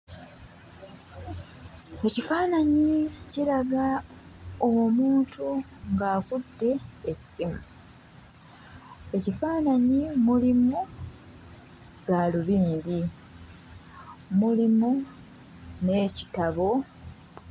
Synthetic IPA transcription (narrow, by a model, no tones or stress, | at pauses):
e̞cifaːnaɲicilaɡa | owomuːntʰu | ŋɡaːkudːe̞ːsːimu | e̞cifaːnaɲimulimu | ɡ̥aluβiːndi | mulimu | ne̞ːci̥taβo̞